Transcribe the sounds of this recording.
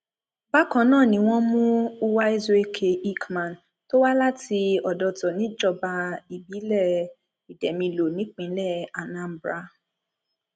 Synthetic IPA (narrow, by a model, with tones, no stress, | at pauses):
ba˦kã˨˦nãː˦˨nĩ˧˦w̃ɔ̃˦mũ˦u˦wa˦i˦ze˦kʰe˨ʔi˦kmã˨n | to˦wa˦la˦ti˧ɔ˨dɔ˧tɔ˨nĩ˨˦d͡ʒɔ˧ba˧i˨bi˨˦lɛ˦˨ | i˨dɛ˨mĩ˧lo˨nĩ˨˦k͡pĩ˨˦lɛ˦˨a˨nã˨˦m̩˨˦bɾa˦